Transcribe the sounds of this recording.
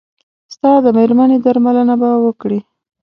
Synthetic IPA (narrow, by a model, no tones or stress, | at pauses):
st̪ɑd̪əmeɾmaned̪aɾmalənabawəkɽi